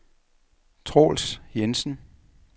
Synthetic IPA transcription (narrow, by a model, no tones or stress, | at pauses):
t͡sʰʁo̰ːlsjensn̩